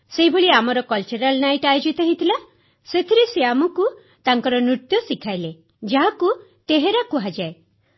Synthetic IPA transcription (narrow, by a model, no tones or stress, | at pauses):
seɦibʱeɭiamɔɾɔkɔlt͡ʃɔɾalnajʈajd͡ʒit̪ɔɦit̪ʰila | set̪ʰiɾeseamɔku | t̪aŋkɔɾɔnut̪jɔsikʰajle | d͡ʒaɦakut̪eɦeɾakuɦad͡ʒae